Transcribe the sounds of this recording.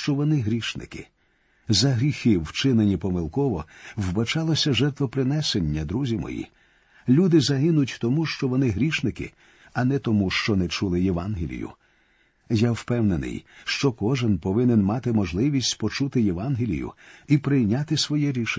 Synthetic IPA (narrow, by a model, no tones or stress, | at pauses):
t͡ʃɔʋɔnɪɦɾʲiʃnɪ̰kɪ̥̰ | zɐɦɾʲixɪwt͡ʃɪnenʲipɔmɪlˠkɔʋɔwbɐt͡ʃɑlˠɔsʲɐʒɛrt̪ʋɔpɾɪnɛsenʲːɐd̪ɾuzʲimɔ̰jḭ | lʲud̪ɪzɐɦɪnʊtʲt̪ɔmuʃt͡ʃɔʋɔnɪɦɾʲiʃnɪkɪ̰ | ɐnɛt̪ɔmuʃt͡ʃɔnɛt͡ʃulˠɪjeʋɑnɦɪlʲḭjʊ̰ | jawpɛwnenɪ̰jʃt͡ʃɔkɔʒɪnpɔʋɪnɪnmɑt̪ɪmɔʒlˠɪʋʲisʲtʲpɔt͡ʃut̪ɪjɛʋɑnɦɪlʲḭjʊ̰ipɾɪjnʲat̪ɪsʋɔjɛɾʲiʃ